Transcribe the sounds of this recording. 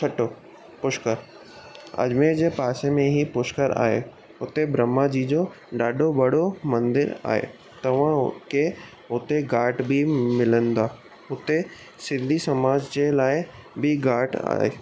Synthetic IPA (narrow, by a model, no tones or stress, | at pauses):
kʰɐʈoː | pʊʃkəɾ | ɐ̰ʄmed͡ʑeːpaːsemẽɦipʊʃkəɾa̰ːɦḛ | ʊt̪ebɾəmːad͡ʑid͡ʑoː | ɖaːɖobɐɽomɐ̃nd̪ɪɾa̰ːɦḛ | t̪ɐʋ̤ãʊke | ʊt̪eɡaːʈbʱimɪlənd̪aː | ʊt̪e | sɪ̃nd̪ʱisɐmaːd͡ʑd͡ʑelaːɪbʱiɡaːʈa̰ːɦḛː